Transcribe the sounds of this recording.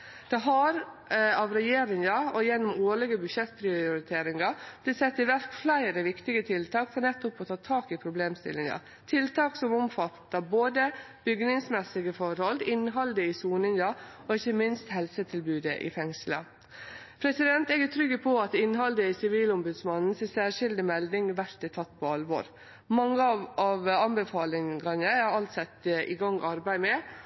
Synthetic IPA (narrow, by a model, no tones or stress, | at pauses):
d̪̥ɛɦɑɾ | ɑʋɾɛjeːɾɪŋɑɔjɛnːɔmoːɭɪɡəbʉʃɛt̪ːpʰɾɪʊɾɪt̪ʰeːɾɪŋɑb̥lɪt̪sɛt̪ːɪʋæɾt̪flæɪɾəʋɪkt̪ɪɡət̪ʰɪlt̪ʰɑːkfɔɾnɛt̪ːʊpɔt̪ʰɑːt̪ʰɑːkɪpʰɾʊbleːmst̪ɪ̰lɪŋɑ̰ | t̪ʰɪlt̪ɑːksɔmɔmfɑt̪ːəboːd̪ə | b̥ʏɡnɪŋsmɛsːɪɡəfɔɾhɔlɪnɦɑld̪əɪsuːnɪŋɑɔɪçːəmɪnst̪hɛlsət̪ʰɪlbʉːd̪əʔɪ̰fɛŋslə̰ | pʰɾɛsɪd̪ɛnt̪ɛɡæt̪ʰɾʏɡːəpʰɔɑt̪ɪnɦɑld̪əɪsɪʋiːlɔmbʉd̪smɑnn̩sɛsæːʂɪld̪ɪmɛld̪ɪŋʋæɾt̪ɪt̪ʰɑt̪ːpʰɔɑlʋɔ̰ɾ | mɑŋːəɑɑʋɑnbəfɑːlɪŋɡɑnəɑɑlt̪sɛt̪ːʔɪ̰ɡɑŋʔɑɾbæɪmɛ